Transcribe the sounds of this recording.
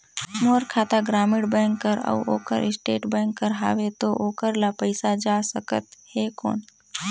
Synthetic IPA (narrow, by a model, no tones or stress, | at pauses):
moːɾkʰaːt̪aɡɾaːmɪɽbɛ̃ːŋkːəɾə̰uo̰ːkəɾɪsʈeːʈbɛ̃ːŋkːəɾɦa̰ːʋet̪oʔoːkəɾlapəɪsad͡ʒasəkə̰t̪heko̰ːɳ